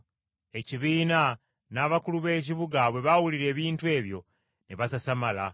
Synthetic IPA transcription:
e̞ciβiːna | naːβakuluβe̞ːc̬iβuɡaβwe̞βawuliɾe̞ːβiːntue̞ːβjo̞̰ | neβasasamala

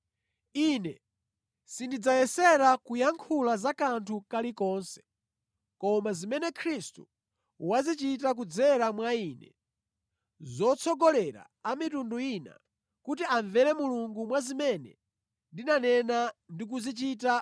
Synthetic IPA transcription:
inɛ | sindid͡zajɛsɛɾakujaŋkʰulazakantʰukalikɔːnsɛ̥ | kɔmazimɛnɛkʰɾistṵ | wazit͡ʃit̬ak̬ud͡zɛɾamwaiːnɛ̰ | zɔt͡sʰɔɡɔlɛɾa̰ | amitunduina̰ | kut̬iaɱvɛɾɛmuluŋɡumwazimɛnɛ̰ | ndinanɛnandik̬uzit͡ʃit̬a

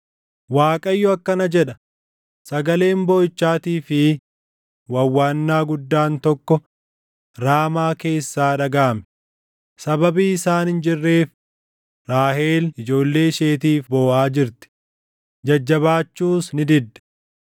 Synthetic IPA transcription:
waːkʼɐjːʊɐkːɐnɐd͡ʒɛᶑɐ | sɐɡɐle̞ːmboːjt͡ʃːaːt̪iːfɪ | wɐwːaːnːaːɡʊd̪ːaːnt̪ɔkːɔ | ɾaːmaːke̞ːsːaːᶑɐɡaːmɛ̥ | sɐbɐbiːɪsaːnɪnd͡ʒɪrːe̞ːf | ɾaːhe̞ːlɪd͡ʒo̞ːlːe̞ːʃe̞ːt̪iːfbo̞ːʔaːd͡ʒɪɾt̪ɪ̥ | d͡ʒɐd͡ʒːɐβaːt͡ʃːuːsnɪd̪ɪd̪ːɛ̥

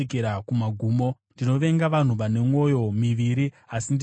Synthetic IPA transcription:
keɾakumaɡʱuːmo̞ndino̞ʋe̞ŋɡaʋan̤uʋane̞mwo̞jo̞miʋiɾi | asind

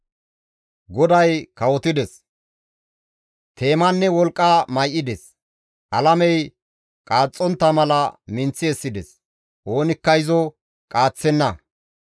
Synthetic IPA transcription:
ɡɔd̪ɐjkɐwɔt̪ɪd̪ɛs | t̪ʰe̞ːmɐnːɛwɔlkʼːamɐjʔɪd̪ɛs | ʔɐlɐmɛj | kʼaːt͡sʼːɔnt̪ːɐmɐlɐmɪnt͡sːɪɛsːɪd̪ɛs | ʔo̞ːnɪkːɐjɪzɔ | kʼaːt͡sːɛnːɐ

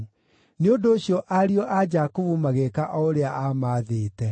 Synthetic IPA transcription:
neondoːɕjɔʔaɾiɔʔad͡ʒakuvumaɣekaʔɔoɾeaʔamaðeːtɛ

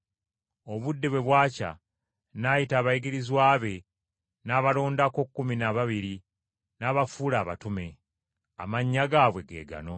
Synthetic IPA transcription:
o̞βudːeβwe̞βwaːca̰ | najitaːβajiɡiɾizwaːβe̞ | naːβalo̞ːndako̞kːuminaβaβiɾi | naːβafuːlaːβa̰tume̞ | a̰maɲːaɡaːβwe̞ɡe̞̰ːɡa̰no̞

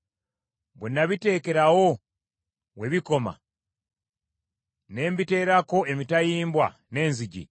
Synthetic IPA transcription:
βenːaβite̞ːke̞ɾawo̞ | we̞βiko̞ma̰ | ne̞ːmbite̞ːɾako̞ʔemitajiːmbwa̰ | ne̞ːnziɟḭ

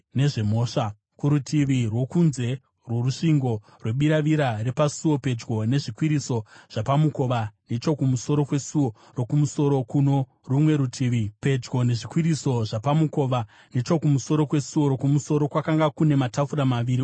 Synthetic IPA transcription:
ne̞ʐe̞mo̞ːʂa | kuɾutʰiʋirwo̞kunze̞ | rwo̞ruʂiŋɡo̞ | rwe̞ɓiɾaʋiɾare̞pasuo̞pe̞d͡ʒɡo̞ne̞ʐikwiɾiso̞ʐ̥apamuko̞ʋanet͡ʃo̞kumuso̞ɾo̞kwe̞suo | ro̞kumuso̞ɾo̞kuno̞ | rumwe̞ɾutʰiːʋipe̞d͡ʒɡo̞ne̞ʐikwiɾiso̞ʐapamuko̞ʋa | net͡ʃo̞kumuso̞ɾo̞kwe̞suo̞ɾokumuso̞ɾo̞kwakaŋɡakune̞matafuɾamaʋiɾi

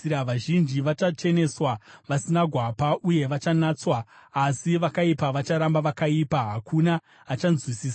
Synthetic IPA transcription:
iɾaʋaʒind͡ʒiʋat͡ʃat͡ʃe̞ne̞swaʋasinaɡʱwapauje̞ʋat͡ʃanat͡swaːsiʋakaipaʋat͡ʃaɾambaʋakaipaɦakʰunaː | t͡ʃanzwisiːsa

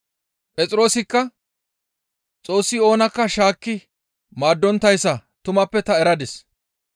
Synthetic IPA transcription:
pʼɛt͡sʼɪɾo̞ːsɪkːɐ | t͡sʼo̞ːsːɪo̞ːnɐkːɐʃaːkːɪ | maːd̪ːɔnt̪ːɐjsːɐt̪ʊmɐpːɛt̪ɐɛɾɐd̪ɛs

